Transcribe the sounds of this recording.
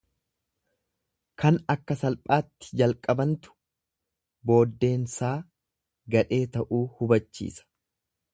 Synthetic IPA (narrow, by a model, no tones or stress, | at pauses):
kɐnɐkːɐsɐlpʼaːt̪ːɪ̥d͡ʒɐlkʼɐbɐnt̪ʊ̥ | bo̞ːd̪ːe̞ːnsaː | ɡɐᶑe̞ːt̪ɐʔuːhʊbɐt͡ʃːḭːsɐ̥